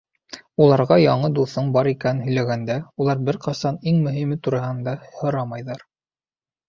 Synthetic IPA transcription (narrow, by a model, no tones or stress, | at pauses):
ulˠɑɾʁɑjɑɴɤd̪uθɤɴbɑɾikænnɦɵ̆jlæɡænd̪æulˠɑɾbɘɾqɑsɑniŋmɵ̆ɦimɘt̪uɾɑɦɤnd̪ɑhŏɾɑmɑjðɑɾ